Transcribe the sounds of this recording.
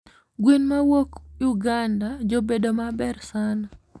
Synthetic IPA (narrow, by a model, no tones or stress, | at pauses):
ɡwenmawokjuɡandad͡ʒobedomabɛrsan